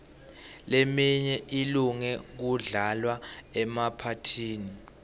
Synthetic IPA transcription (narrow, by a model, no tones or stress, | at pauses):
lemiɲɛʔiluŋɛk̬uɮalwaɛmapʰatʰiːni